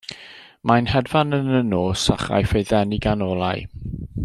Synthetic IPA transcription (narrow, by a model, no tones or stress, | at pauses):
majnhɛdvanənənoːsa̰χa̰jfejðɛniɡanɔlˠaj